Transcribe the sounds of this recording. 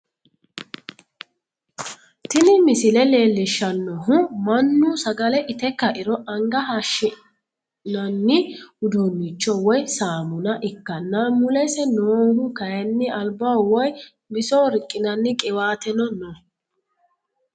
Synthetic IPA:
t̪ɪnɪmɪsɪlɛle̞ːlːɪʃːɐnːɔɦʊmɐnːusɐɡɐlɛʔɪt̪ɛkːɐʔɪɾɔʔɐŋɡɐɦɐʃːɪ | nɐnːɪʊd̪unːit͡ʃːɔwɔjsaːmʊnɐʔɪkːɐnːamʊlɛsɛnoːhʊkɐjɐnːɪɐlbawɔj | bɪsoːɾɪkʼːɪnɐnːɪkʼɪwaːt̪ɛnɔnɔ

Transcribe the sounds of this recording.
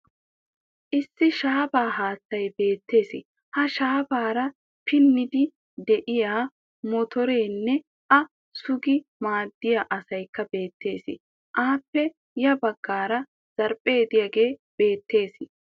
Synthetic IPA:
ʔɪsːɪʃaːbaːɦaːt͡sːɐjbe̞ːt̪ːe̞ːsɪ̰ | hɐʃaːbaːɾɐ | pɪnːɪd̪ɪ | d̪ɛʔɪjaː | mɔt̪ɔɾe̞ːnːɛ | ʔɐ | sʊɡɪmaːd̪ːɪjaʔɐsɐjkːɐbe̞ːt̪ːe̞ːsɪ̰ | ʔaːpːɛ | jɐbɐɡːaːɾɐ | z̥ɐɾpʼe̞ːd̪ɪjɐɡe̞ːb̥e̞ːt̪ːe̞ːsɪ

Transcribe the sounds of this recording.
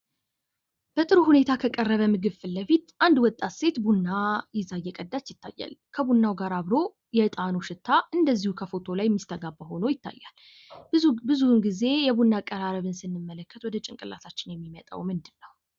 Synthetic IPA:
b̥ət̪ʼɨɾuhune̞t̪ʰakʰəkʼərːəβəmɨɡɨβfɨlːəfit̪ʔand̪wɔt̪ʼːat̪se̞t̪bunːajɛzajːɛkʼəd̪ːat͡ʃːjɪt̪ʰːa̰jːa̰lkʰəbunːawɡaɾaβɾo̞ | jɛt̪ʼanoʃɪt̪ʰːaɨnd̪əzːihukʰəfo̞t̪ʰo̞lajmːist̪ʰəɡabəho̞nojɪt̪ʰːa̰jːa̰l | bɨzunɡize̞jɛβunːakʼəɾaɾəβɨnsɨnːɨmːələkːət̪wɔd̪ət͡ʃʼɪŋkʼɨlʔa̰t̪ʰat͡ʃːɪnjɛmːimət̪ʼə̰wmɨnd̪ɨnːəw

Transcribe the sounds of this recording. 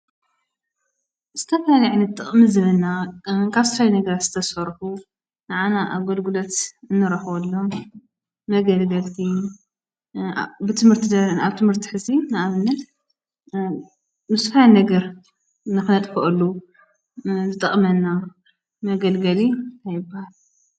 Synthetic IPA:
z̥ɨt̪ʰɐfɐaljʕniɨt̪ʼɨχʼmizɨβɨlnakʰaβsfajnɐɡɐɾat̪zɨt̪ʰɐsɐɾħu | nɨʕanaʔaɡolɡɨlot̪ɨnːɨɾɐxβɐlːo | mɐɡɐlɡɐlt̪ʰi | bɨt̪ʰɨmhɨɾt̪ʰid̪ɐnaβt̪ʰɨmhɨɾt̪ʰi̥ħɨzinaaβɨnːɐt̪ | mɨsħajnɐɡɐɾ | nɨxnɐt̪ʼkʰɨʔɨlːu | zɨt̪ʼɐχʼmɐnːa | mɐɡɐlɡɐliajɪbːahal

